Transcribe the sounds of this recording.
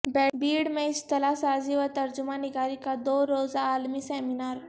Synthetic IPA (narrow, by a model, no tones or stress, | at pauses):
bɛbiːɽmẽist̪əlasad͡ziʋəɾt̪əɾd͡ʑumãniɡaɾikad̪oɾod͡zaːlmiːsɛminaɾ